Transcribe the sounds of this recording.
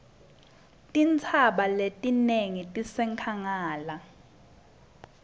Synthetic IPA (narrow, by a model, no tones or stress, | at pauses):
tʼint͡sʰaɓaletʼineŋitʼisɛŋkʰaŋaːla